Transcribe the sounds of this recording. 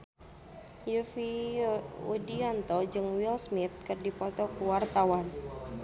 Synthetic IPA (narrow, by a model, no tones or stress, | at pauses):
jufi | udiɔnt̪ɔd͡ʒɨŋwilsmit̪̚kɨrdipɔt̪ɔkuwart̪awan